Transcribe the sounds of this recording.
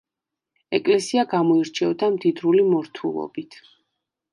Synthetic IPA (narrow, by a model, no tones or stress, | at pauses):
ɛkʼlɛsiaɡamɔiɾt͡ʃʰɛvd̪amd̪id̪ɾulimɔɾt̪ʰṵlˠɔ̰bit̪ʰ